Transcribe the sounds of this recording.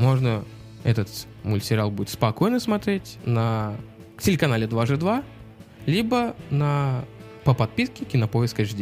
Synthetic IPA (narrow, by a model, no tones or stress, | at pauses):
mo̞ʐnə | ɛt̪ət̪ | mʊlʲsʲɪɾʲalˠbudɪt̪spɐko̞jnəsmɐt̪ɾʲetʲnə | tʲɪlʲɪkɐnalʲɪd̪vaʐɨd̪va | lʲibənə | pəpɐt̪̚pʲiskʲɪkʲɪnəpojɪskəʐdʲ